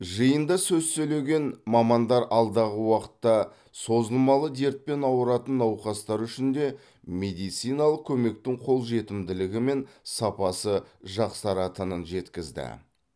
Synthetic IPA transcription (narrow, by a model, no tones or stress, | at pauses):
ʒəjənd̪ɑsɵzsɵjle̞ɡʲe̞nmɑmɑnd̪ɑɾɑlˠd̪ɑʁəwɑqə̥t̪ːɑ | so̞zəlˠmɑlˠəd̪e̞ɾt̪̚pe̞nɑwəɾɑt̪ənːɑwqɑst̪ɑɾʏʃɪnd̪e̞ | me̞d̪ijt̪sijnɑlˠəq̚kʲʰɵme̞k̚t̪ɪŋqʰo̞lˠʒe̞t̪ɪmd̪ɪlɪɡʲɪme̞nsɑpɑsəʒɑqsɑɾɑt̪ənənʒe̞t̪kʲɪzd̪ɪ̰